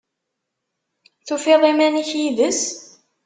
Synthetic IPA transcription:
θufiðˤimæniçjiðəs

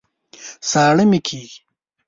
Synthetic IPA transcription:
saːɽəmikʰiːɡi̥

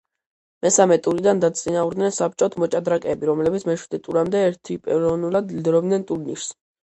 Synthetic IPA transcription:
mɛsamɛt̪ʼuɾid̪and̪at̪sʼinauɾd̪nɛnsap̚t͡ʃʼɔt̪ʰmɔt͡ʃʼad̪ɾakʼɛːbiɾɔmlɛbit̪sʰmɛʃwid̪ɛt̪ʼuɾamd̪ɛɛɾt̪ʰipʼɛɾɔnulˠad̪lid̪ɾɔbd̪nɛnt̪ʼuɾniɾs

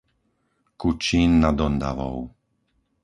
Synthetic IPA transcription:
kut͡ʃiːnːad̪ɔnd̪a̰ʋɔ̰ʊ

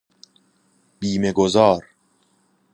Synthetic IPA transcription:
biːme̞ɡozɒːɾ

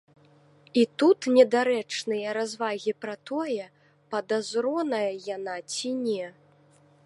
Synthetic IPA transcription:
it̪ut̪nʲɛd̪aɾɛt͡ʂnɨjɐɾazvaɣʲipɾɐt̪ɔjɛ | pɐd̪azɾɔnɐjɐjanat͡sʲinʲɛ

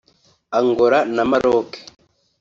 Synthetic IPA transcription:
aŋɡoɾanamaɾoːke̥

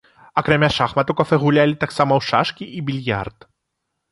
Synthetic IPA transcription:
ɐkɾamʲaʂaxmɐt̪ukɐfɛɣulʲalʲit̪aksamɐwʂaʂkʲiʔibʲilʲja̰rt̪

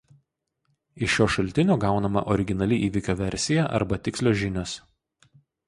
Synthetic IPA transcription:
ɪʃːoːʃɐlʲˑt̪ʲɪnʲoːɡɑˑʊnɐmɐ̰ʔɔɾʲɪɡʲɪnɐlʲɪʔiːʋʲɪkʲoːʋʲɛɾʲˑsʲɪjɛʔɐ̰ɾbɐt̪ʲɪkslʲoːʒʲɪnʲoːs

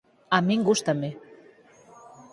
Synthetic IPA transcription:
ɑmeŋɡuʃt̪əme

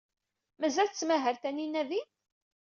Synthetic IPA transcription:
mæzælt͡sːmæɦəɾθæninːæði

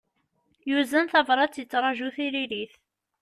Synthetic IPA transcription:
juzænθɑvɾˤɑt͡sːjət͡sːɾˤɑʒuθiɾiliθ

